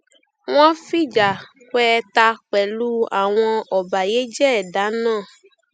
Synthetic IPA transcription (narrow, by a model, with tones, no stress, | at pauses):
w̃ɔ̃˦fi˦˨d͡ʒa˨ | k͡pɛ˦˧ta˧k͡pɛ˨lu˦a̰˨w̃ɔ̃˧ɔ˨ba˨je˨˦d͡ʒɛ˦ɛ˨da˨˦nãː˦˨